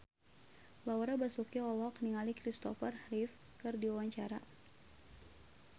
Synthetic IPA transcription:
laɔɾabasukiɔlɔkniŋalikɾist̪ɔ̰fərhrif | kɨrdiawaɲt͡ʃaɾa

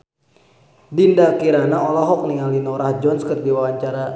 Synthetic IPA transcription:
dindakiɾanaɔlɔɦɔk̚niŋalinɔɾahd͡ʒɔnskərdiwawaɲt͡ʃaɾa

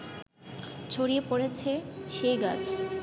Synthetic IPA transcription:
t͡ɕʰoɽiepoɽet͡ɕʰeʃejɡa̰t͡ɕ

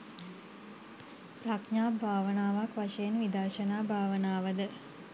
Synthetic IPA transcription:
prakɲaːbʱaːʋənaːʋakʋaʃejenʋid̪ərʃənaːbʱaːʋənaːʋəd̪ə

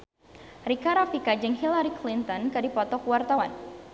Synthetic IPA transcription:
rikaɾafikad͡ʒɨŋɦilaɾiklint̪ɔnkadipɔt̪ɔkwart̪awan

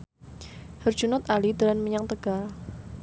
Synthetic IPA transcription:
hər̥d͡ʒ̥unʊt̪̚alid̪̥əlanməɲaŋt̪əɡ̥al

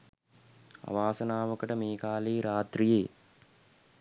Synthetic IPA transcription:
ɐ̰ʋaːsɐnaːʋəkəʈəmeːkaːleːɾaːt̪ɾijeː

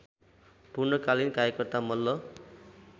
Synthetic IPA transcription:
purnʌkalinkaɾjʌkʌrt̪amʌlːʌ

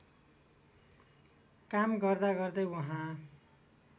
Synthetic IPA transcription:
kamɡʌrd̪aɡʌrd̪ʌwʌɦã

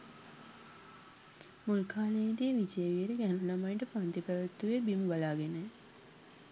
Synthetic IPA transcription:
molkʰaːled̪iːʋit͡ʃejʋieɾəɡænulamajɳʈəpant̪ipæʋət̪ːuʋebiməbalaːɡenə

